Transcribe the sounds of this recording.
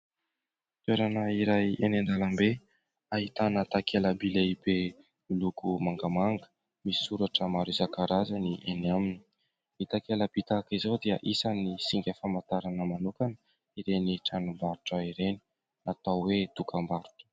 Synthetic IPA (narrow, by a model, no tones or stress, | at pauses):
t̪weɾanəiɾajenend̪alambe | aɦit̪anət̪akʰeləbileibe | ilukumaŋɡəmaŋɡə̥ | misi̥suɾaʈ͡ʂəmaɾizakaɾazəniʔeniamini̥ | it̪akeləbit̪akizowd̪iəʔisanisiŋɡʲəfamat̪aɾanəmanukanə | iɾeniʈ͡ʂanumbaɾuʈ͡ʂəiɾeni̥ | at̪awwet̪ukʰambaɾu̥ʈ͡ʂə̥